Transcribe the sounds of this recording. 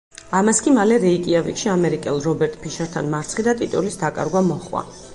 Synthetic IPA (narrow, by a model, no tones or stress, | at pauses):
amaskʼimalɛɾɛikʼiavikʃiamɛɾikʼɛlˠɾɔbɛɾt̪ʼpʰiʃaɾt̪ʰanmaɾt̪sʰχid̪at̪ʼit̪ʼulisd̪akʼa̰ɾɡwamɔχwa̰